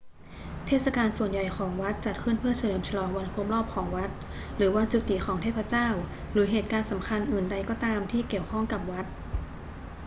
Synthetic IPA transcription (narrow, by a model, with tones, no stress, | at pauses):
t̪ʰeː˥˩t̪̚sa˧kaː˧nsu˨˩ənja˨˩jkʰɔː˩˦ŋwa˦˥t̪̚t͡ɕa˨˩t̪̚kʰɯ˥˩˨npʰɯ˥˩əsʰa˧lɤː˩˦mt͡ɕʰa˧lɔː˩˦ŋwa˧˥nkʰo˧˦˥mɾɔː˥˩p̚kʰɔː˩˦ŋwa˦˥t̪̚ | ɾɯː˩˦wa˧˥n̚t͡ɕu˨˩t̪ːiː˨˩xʰɔː˩˦ŋt̪ʰeː˥˩pʰːa˧t͡ɕaː˥˩w | ɾɯː˩˦ɦeː˨˩t̪̚kaː˧nsa˩˦mkʰa˧nʔɯː˨˩nda˧jkɔː˧˥˩t̪aː˧mt̪ʰiː˥˩ki˨˩əwkʰɔ˥˩ŋka˨˩p̚wa˦˥t̪̚